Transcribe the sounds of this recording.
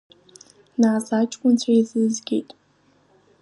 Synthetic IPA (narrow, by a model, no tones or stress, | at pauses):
naːsaːt͡ʃʼkʷʼʊnt͡ɕʷʰaizɨzɡʲḛjtʼ